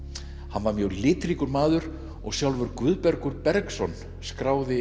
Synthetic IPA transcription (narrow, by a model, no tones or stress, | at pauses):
hanvaɾmjœɣlɪːt̪ɾiːkʏɾmaːðʏɾ̥ | ɔ̰ɣsjawlvʏɾkvʏːðpɛɾkʏɾpɛɾksɔn | skɾaːwðɪ